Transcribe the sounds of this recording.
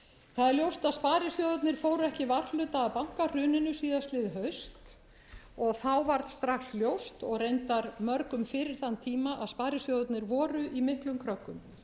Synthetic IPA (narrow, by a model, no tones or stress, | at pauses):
θaðɛɾljowst̪aðspaːɾɪsjowðʏt̪nɪɾ̥foːwɾʏɛhcɪvart̪lʏːt̪aːpawŋ̥kar̥ʏːnɪnʏsiːðast̪lɪðɦœɥst̪ | ɔɣθawvaɾt̪st̪ɾaxsljowst̪ɔɣrejnt̪aɾmœɾkʏmfɪɾɪɾ̥θant̪ʰiːmaʔaðspaːɾɪsjowðʏt̪nɪɾvɔːɾʏʔimɪhk̪lʏmkʰɾœkːʏm